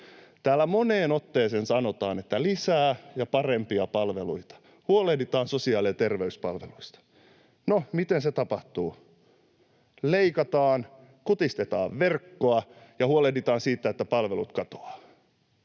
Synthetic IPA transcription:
t̪æːlːæmoneːnot̪ːeːseːnsɑnot̪ɑːnet̪ːælisæːjɑpɑrempiɑpɑlʋelṵit̪ɑ̥ | huolehdit̪ɑːnsosiɑːliɑt̪erʋeyspɑlʋḛluist̪ɑ̥ | nomit̪enset̪ɑpɑht̪uː | leikɑt̪ɑːn | kut̪ist̪et̪ɑ̰ːʋʋerkːoɑjɑhuolehdit̪ɑːnsiːt̪ːæet̪ːæpɑlʋelut̪kɑt̪o̥ɑː

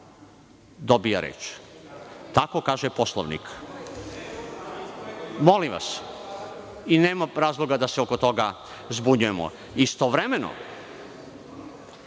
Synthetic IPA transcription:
d̪obijaɾḛːt͡ʃ | t̪ako̞kaːʒepo̞slˠo̰ʋnḭk | mo̞limʋa̰s | ineːmaɾaːzlˠo̞ɡad̪aseokot̪o̞ɡa | zbuɲujemo̰ | ist̪oʋɾemeno̰

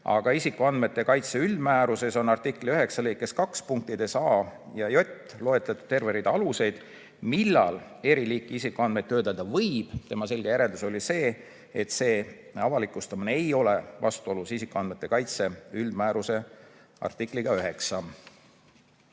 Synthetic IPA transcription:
ɑ̰ɡ̥ɑisikːˑuɑnd̪̥me̞t̪ːe̞kɑjt̪se̞yld̪mæːɾuse̞so̞nɑrt̪ikːˑliø̞ɦe̞ksɑlekkːeskɑkspuŋk̚t̪id̪esɑː | jɑjo̞t̪ʲːˑ | lo̞e̞t̪ːˑɑt̪ːˑu̥t̪t̪ːe̞rveɾid̪̥ɑluse̞jd̪̥ | milːɑ̰l | e̞ɾiliːkːˑiisikːuɑnd̪met̪ːø̞ːt̪ːˑɑd̪ɑvɤjb̥t̪e̞mɑse̞lʲɡ̥e̞jæɾe̞ld̪̥uso̞lʲise̞ː | et̪se̞ː | ɑvɑlikːˑust̪ɑmineejo̞le̞vɑ̰st̪uo̞lusisikːuɑnd̪̚me̞t̪ːˑe̞kɑjt̪se̞yld̪mæːɾuse̞ | ɑ̰rt̪ˑikˑliɡ̥ɑøɦe̞ksɑ

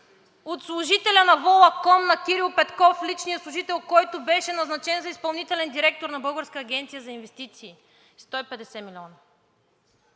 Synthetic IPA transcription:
ot̪slˠʊʒit̪ɛlʲɐnɐvɔlˠɐkɔmnɐkʲiɾilˠpɛt̪kɔflit͡ʃnijəslˠʊʒit̪ɛlˠkɔjt̪ʊbɛʃɛnɐznɐt͡ʃɛnzɐispɐlˠnit̪ɛlɛnd̪iɾɛk̚t̪oɾnɐbɤlˠɡəɾskəːɡ̟ʲɛnt̪sijəzɐinvɛst̪it̪siː | st̪ɔipɛd̪ɛsɛmilʲɔnɐ

